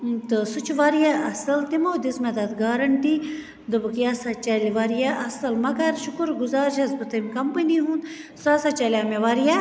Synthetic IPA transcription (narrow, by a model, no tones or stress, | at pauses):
t̪ɨsut͡ʃʰʋaːɾjaʔɐsɐlt̪imoːd̪izmɐd̪ɐt̪ɡaːɾɐɳʈi | d̪ɨbɨkjaːsat͡ʃɐlʲʋaːɾjaʔɐsɐlmɐkɐɾʃʊkuɾɡuzaːɾd͡ʒɐzbɨt̪ɐmʲkɐmpəniɦuːn | saːsat͡ʃɐlʲaːmeʋaɾjaː